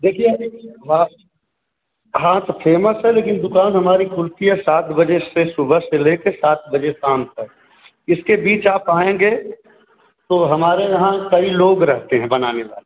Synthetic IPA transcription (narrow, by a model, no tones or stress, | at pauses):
d̪eːkʰieɦa | ɦaːt̪pʰeːməsɦɛleːkɪnd̪ʊkaːnɦɐmaːɾikʊlt̪iɦɛsaːt̪ʰbəd͡ʒesesʊbʱəseleːkesaːt̪̚ʰbɐd͡ʒesaːmp̪ɐ | ɪskebiːt͡ʃaːpaːẽːŋɡe | t̪oɦɐmaːɾejɐɦãkɐiloːɡɾɐɦt̪eɦɛ̃bɐnaːneʋa̰ːle